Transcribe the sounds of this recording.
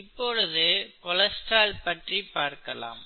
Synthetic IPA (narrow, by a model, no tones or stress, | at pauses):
ɪpːɔɻɯðɯkɔlɐsʈaːlpɐʈripːaːɾkɐla̰ːm